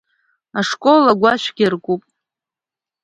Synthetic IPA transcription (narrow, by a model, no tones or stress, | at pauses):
aʂkʼolaɡʷaʃʷɡʲirkʼupʼ